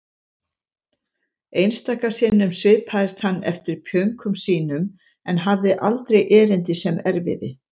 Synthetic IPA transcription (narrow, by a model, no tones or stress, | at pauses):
ejnst̪aːkasɪːnʏmsvɪːpʰaːðɪst̪hanːɛ̰ft̪ɪɾ̥pʰjœɥŋkʰʏmsiːnʏm | ɛnɦavðɪʔalt̪ɾejʔɛːɾɪnt̪ɪsɛmɛɾvɪ̰ðɪ